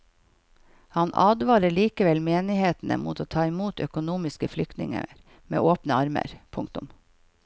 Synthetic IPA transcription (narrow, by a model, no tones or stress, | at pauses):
hɑnʔɑːd̪ʋɑːɾəɭiːkəʋɛlmeːnɪheːt̪n̩ə̰mṵːt̪ʰoːt̪ʰɑːɪmuːt̪œkʊnuːmɪskəflʏk̚t̪nɪ̰ŋə̰ɾ | mḛːʔoːpnəɑɾmə̰ɾpʰʊŋk̚t̪ʊm